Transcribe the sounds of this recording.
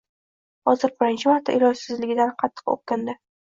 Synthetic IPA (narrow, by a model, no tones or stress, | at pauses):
hɒzɪɾbɪɾɪnt͡ʃʰɪmaɾt̪ʰːa̰ʔɪɾɒɡsɪzlɪɡʲɪd̪anqʰɑt̪ʰːɨ̥qo̰q̚kʲand̪ɪ